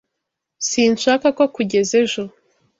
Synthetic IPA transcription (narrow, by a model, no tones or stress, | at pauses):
siːnʃaːkakokuɟe̞zeʒo